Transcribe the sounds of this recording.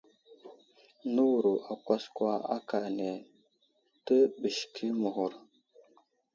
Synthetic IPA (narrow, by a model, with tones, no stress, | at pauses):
nu˦wu˨ɾu˨ʔa˨kʷa˦skwa˦a̰˦ka˨ne˨ | tə˦bə˨ʃkʰi˦mu˨ɦu˨ɾ